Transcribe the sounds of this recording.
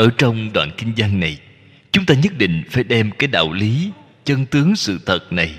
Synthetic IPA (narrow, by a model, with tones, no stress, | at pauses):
ʔəː˧˩t͡ɕɔ˧wŋ͡mɗwa̰ː˧˨nkï˧ŋ̟za˧ŋːa˨˩j | t͡ɕʊ˨˦ŋ͡mt̪aː˧ɲə˦˥t̚ɗḭ̈˧˨ŋ̟faː˧˩jɗɛ˧mkaː˨˦jɗa̰ː˧˨wli˨˦ | t͡ɕə˧nt̪ɨ˨˦əŋsɨ̰˧˨t̪ʰə˨˩t̚na˨˩j